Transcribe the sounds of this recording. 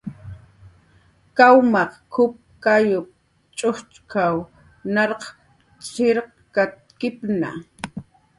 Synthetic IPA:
kawmɑqkʰʊp̚kajʊp̚ | t͡ʃʼʊht͡ʃkʰaw | nɑɾq | t͡sɪɾq | kat̪̚kɪpna̰

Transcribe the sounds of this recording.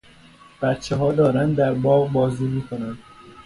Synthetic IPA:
b̥æt̪t͡ʃʰːeɦɒːd̪ɒːɾænd̪d̪æɾbɒːʁbɒːzud̪iːkʰonænd̪̥

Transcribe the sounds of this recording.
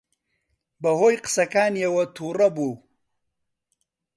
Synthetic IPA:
bɐɦojqsakaːnjawat̪ʰuɾabo

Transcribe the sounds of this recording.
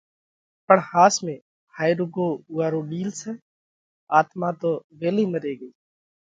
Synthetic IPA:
pəɳhaːsmẽː | haːɪɾʊɡoːʊːaːɾoːɗiːlsɛː | aːt̪maːt̪oːʋeːliːməɾeːɡəiː

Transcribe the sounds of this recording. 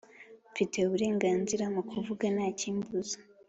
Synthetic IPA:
fite̞uβuɾe̞ːŋɡaːnziɾamukʰuvuɡanaːciːmbuzḁ

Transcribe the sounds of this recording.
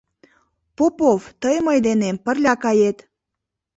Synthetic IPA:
popovt̪əjməjd̪enempərlʲɑkɑjet̪

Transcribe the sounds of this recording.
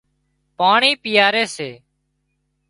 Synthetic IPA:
paːɳiːpɪjaːɾeːseː

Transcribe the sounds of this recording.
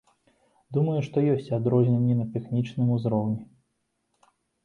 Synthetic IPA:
d̪umɐjuʂt̪ɔjɔsʲt͡sʲad̪ɾɔzʲnʲenʲːɛnɐt̪ɛxnʲit͡ʂnɨmuzɾɔwnʲi

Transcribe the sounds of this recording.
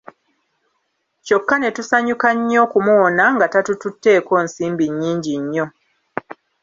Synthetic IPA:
co̞kːane̞tusaɲukaɲːo̞ːkumuːnaŋɡatatututːe̞ːko̞ːnsiːmbiɲːiːɲɟiɲːo̞

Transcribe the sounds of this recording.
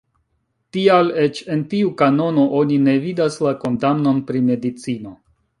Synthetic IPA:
tiale̞t͡ʃe̞ntiukano̞no̞ʔo̞nine̞vidaslako̞ndamno̞npɾime̞dit͡sino̞

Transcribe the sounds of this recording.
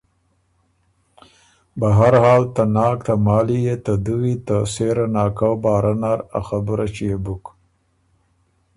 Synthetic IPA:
baɦaɾhɑːlt̪anɑːkt̪amɑːlijet̪ad̪uwit̪aseɾanɑːkawbɑːɾanaɾa̰xabuɾat͡ʃijebuk

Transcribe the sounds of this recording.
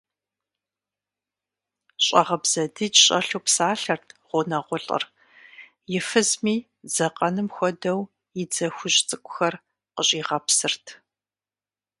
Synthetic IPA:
ɕʼɐ̰ʁɐbz̥ɐdɨd͡ʒɕʼɐɬuwpsaːɬɐrtʰʁ̥ʷʊnɐʁʷʊɬʼɐ̰r | jɪfɨzmiː | d͡zɐqʼɐnɨmxʷɔdɐw | ɪd͡zɐxʷʊʒt͡sʼɨkʷʼʊxɐr | qəɕʼiːʁɐpsɨrtʰ

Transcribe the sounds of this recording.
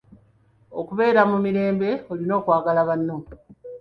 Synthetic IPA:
okuβe̞ːɾamumiɾe̞ːmbe̞olino̞ːkwaːɡalaβanːo

